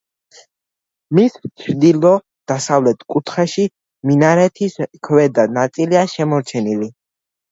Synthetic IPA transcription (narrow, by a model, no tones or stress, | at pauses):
mist͡ʃʰɾd̪ilɔ | d̪̥asavlɛt̪ʰkʼut̪ʰχɛʃi | minaɾɛt̪ʰiskʰvɛd̪anat̪sʼiliaʃɛmɔɾt͡ʃʰɛnili